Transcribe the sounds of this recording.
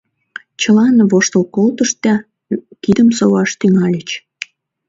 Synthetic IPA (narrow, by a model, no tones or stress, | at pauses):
t͡ɕəlɑnβoʃt̪əlkolt̪əʃt̪ɑ | kid̪əmsowɑʃt̪yŋɑlʲət͡ɕ